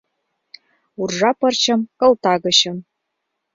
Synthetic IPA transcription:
urʒɑpɤ̆rt͡ɕɤ̆mkɤ̆lt̪ɑɡɤ̆ɕɤ̆m

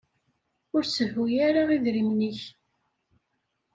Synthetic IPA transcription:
ʊɾsəvːujaɾaiðɾimniç

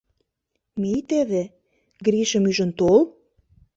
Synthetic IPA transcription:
mit̪eβe | ɡɾiʃə̆myʒə̆nt̪ol

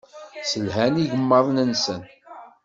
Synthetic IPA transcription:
səlɦæniʝəmːəðˤnənsən

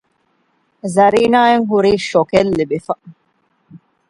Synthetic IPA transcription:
zɐɾiːnaːeŋɦuɾiːʃokelːebifɐ

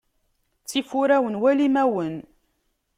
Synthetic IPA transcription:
t͡sːifuɾæwənwælimæwən

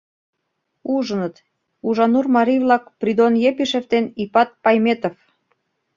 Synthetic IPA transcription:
uʒənət̪ | uʒɑnurmɑɾijβlɑkprid̪onjepiʃeft̪enipɑt̪̚pɑjmet̪of

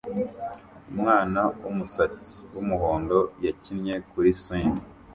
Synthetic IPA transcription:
umŋaːnawumusat͡si̥wumuɦoːndo̞jacinɲe̞kuɾiswiːndi

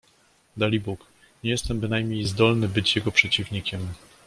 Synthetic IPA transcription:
d̪alʲibuk | ɲɛjɛst̪ɛmbɘnajmɲejzd̪ɔlnɘbɘt͡ɕjɛɡɔpʂɛt͡ɕivɲikʲɛm

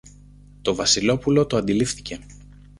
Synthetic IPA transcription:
t̪o̞vɐsilo̞pulo̞t̪o̞ɐnd̪ilifθi̥ce̞

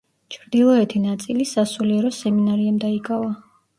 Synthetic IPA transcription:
t͡ʃʰɾd̪ilˠɔɛt̪ʰinat̪sʼilisasuliɛɾɔsɛminaɾiamd̪aikʼava

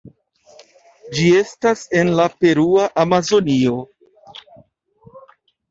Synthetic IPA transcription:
d͡ʒie̞stase̞nlape̞ɾuaʔamazo̞nio̞

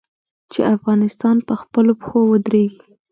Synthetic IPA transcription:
t͡ʃḛʔafɣɑnɪst̪ɑnpəxpəlopə̥xowəd̪ɾeɡi

